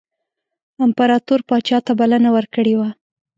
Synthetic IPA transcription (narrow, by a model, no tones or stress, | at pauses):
ɪmpaɾɑt̪uɾpɑt͡ʃɑt̪abalanawəɾkəɽewa